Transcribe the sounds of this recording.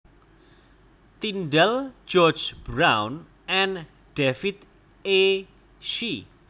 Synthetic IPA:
t̪inɖɛld͡ʒɔd͡ʒbɾawn | ɛn | d̥efit̪̚ | e | ʃi

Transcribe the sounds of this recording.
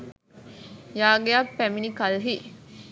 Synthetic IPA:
jaːɡejapːæminikɐlɦi

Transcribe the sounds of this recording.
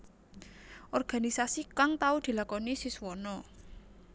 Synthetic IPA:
ʔɔrɡ̥a̤nisasikaŋt̪aud̪̥i̤lakɔnisisuwɔnɔ

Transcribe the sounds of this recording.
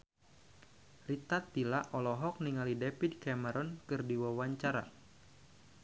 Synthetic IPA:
rit̪at̪ːilaʔɔlɔɦɔk̚niŋalidɛpid̚kaməɾɔnkɨrdiwawaɲt͡ʃaɾa

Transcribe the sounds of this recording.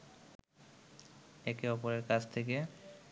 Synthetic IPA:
ekeɔpoɾeɾkat͡ɕʰt̪ʰek̬e

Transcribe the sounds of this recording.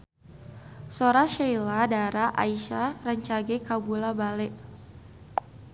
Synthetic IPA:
soɾaʃajladaɾaʔa̰iʃarəɲt͡ʃaɡɛkabulabalɛʔ

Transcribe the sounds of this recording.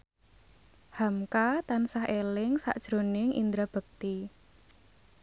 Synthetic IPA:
hamkat̪ansaɦelɪŋsa̰ʔd̥ʒ̥ɾo̤nɪŋʔḭnd̪ɾab̥ə̤k̚t̪i

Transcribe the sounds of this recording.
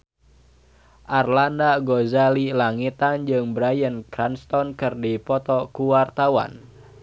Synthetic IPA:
ʔarlandaɡozalilaŋit̪and͡ʒɨŋbəɾajənkɾanst̪ɔnkɨrdipɔt̪ɔkuwart̪awa̰n

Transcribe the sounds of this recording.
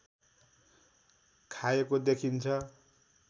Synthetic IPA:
kʰaekod̪ekʰint͡sʰʌ

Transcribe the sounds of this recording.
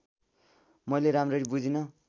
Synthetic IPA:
mʌjleɾamrʌɾibud͡zinʌ

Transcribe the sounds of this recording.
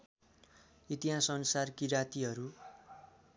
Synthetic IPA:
it̪iɦasʌnsarkiɾat̪iɦʌɾu

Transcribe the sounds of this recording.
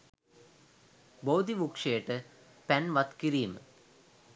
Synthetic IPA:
boːd̪iʋukʂejəʈə | pænʋat̪kiɾiːmə̰

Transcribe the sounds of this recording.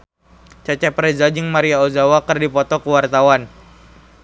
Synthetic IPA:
t͡ʃat͡ʃɛpɾɛzad͡ʒɨŋmaɾiaozawakɨrdipɔt̪ɔkəwart̪awan

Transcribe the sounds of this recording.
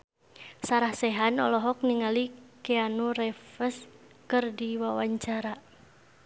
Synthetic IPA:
saɾahsɛɦanɔlɔɦɔk̚niŋalikɛanurɛfəs | kɨrdiwawaɲt͡ʃaɾa

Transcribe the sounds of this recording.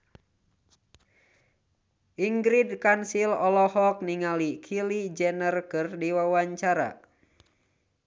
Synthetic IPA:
ʔiŋɡɾidkansilɔlɔhɔk̚niŋalikʰilid͡ʒɛnərkɨrdiwawaɲt͡ʃaɾa̰

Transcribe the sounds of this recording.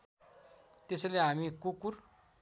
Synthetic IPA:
t̪esleamikukuɾ

